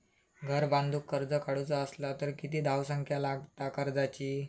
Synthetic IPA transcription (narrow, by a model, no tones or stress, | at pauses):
ɡʱəɾbãnd̪ʱuːkːəɾd͡zəkaɽut͡saəslat̪əɾkit̪iːd̪ʱawsəŋkʰjalaɡt̪akəɾd͡zat͡ɕiː